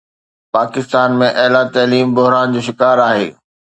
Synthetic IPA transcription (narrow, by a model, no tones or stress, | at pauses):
paːkɪst̪aːnmẽʔɐɦlat̪ɐːliːmbʊɦɾaːnd͡ʑoːʃ̬ɪkaːɾaːɦḛː